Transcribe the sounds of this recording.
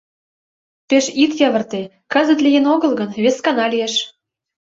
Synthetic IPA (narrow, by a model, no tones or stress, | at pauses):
peʃit̪jɑβə̆rt̪e | kɤzə̆t̪lʲijenoɣɤ̆lɡɤ̆nβeskɑnɑlʲijeʃ